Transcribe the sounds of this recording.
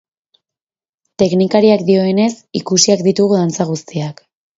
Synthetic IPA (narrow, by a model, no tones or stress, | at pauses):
t̪e̞knikaɾiakd̪io̞e̞ne̞sikusiakd̪it̪uɣuðant͡saɣ̞ust̪iak